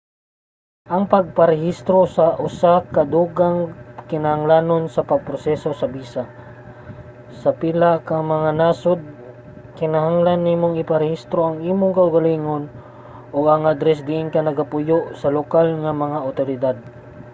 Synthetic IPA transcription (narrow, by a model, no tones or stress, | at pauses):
ʔɐŋpɐɡ̚pɐɾɛhist̪ɾo̞sɐʔʊsakɐd̪uːɡaŋkɪnɐhɐŋlaːnonsɐpɐɡ̚pɾosɛːso̞sɐbiːsa | sɐpilakɐŋmɐŋanaːsod̪̚ | kɪnɐhaŋlanːiːmoŋɪpɐɾɛhist̪ɾoʔɐŋiːmoŋkɐʊɡɐliːŋon | ʔoɡɐŋʔad̪ɾɛs̬ɡɪʔɪnkɐnɐɡapʊjoʔsɐlokalŋɐmɐŋaʔʊt̪oɾɪd̪ad̪̚